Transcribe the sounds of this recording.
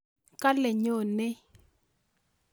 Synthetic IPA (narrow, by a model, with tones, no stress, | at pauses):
ka˦le˨ɲo˨nɪ˦